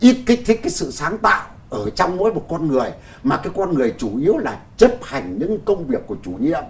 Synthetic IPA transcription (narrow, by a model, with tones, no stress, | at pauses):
ʔi˦˥t̚kaː˨˦t̪ʰi˨˦jkaː˨˦jsɨ̰˧˨saː˨˦ŋt̪a̰ː˧˨w | ʔəː˧˩t͡ɕɔ˧wŋ͡mmo̰˧˥jmo˨˩t̚kɔ˧nŋɨ˨˩əj | maː˨˩kaː˨˦jkɔ˧nŋɨ˨˩əjt͡ɕu˧˩ʔi˨˦əwlaː˨˩t͡ɕə˦˥p̚ha˨˩jŋ̟ɲɨ̰˧˥ŋkə˧wŋ͡mvi˨˩ək̚ːu˧˩ət͡ɕu˧˩ɲḭ˧əm